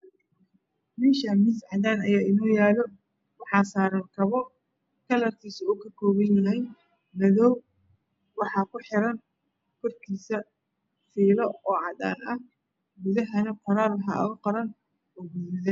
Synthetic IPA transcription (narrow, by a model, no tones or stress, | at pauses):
mɛːʃɐmɪsʕɑðaːnɐjaːʔɪnɔːjaːlɔ | wɑħɑːsaːɾɐŋkʰɐβɔ | kʰɐlɐrk̪ʰiːsɐuːkʰɐkʰɔːβɐnjɐɦɛj | mɐðɔw | wɑħɑːkʰʊħɪɾɐn | kʰɔrkʰiːsɐ | fiːlɔɔːʕɑða̰ːnʔɐh | ɡʊðɐɦɐnɐfɐɾaːrlɐħɑ̰ʔɐ̰ɣʊqɐɾɐn | ɔɡʊðʊðɛ